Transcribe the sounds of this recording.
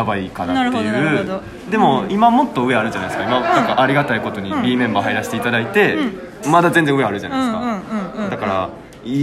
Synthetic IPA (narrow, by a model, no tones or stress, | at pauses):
abaikanat̪ːejɯː | d̪e̞mo̞imamo̞t̪ːo̞ɯ̟e̞aɾɯ̟d͡ʑanaisɨ̥kaimanãŋkaʔaɾʲiɡat̪aiko̞t̪o̞ɲ̟ibʲiːmẽ̞mbaːɦaiɾaɕi̥t̪e̞it̪ad̪ait̪e̞ | mad̪azẽ̞nd͡zẽɯ̟e̞aɾɯ̟ʑanaisɨ̥kad̪akaɾa̰ | i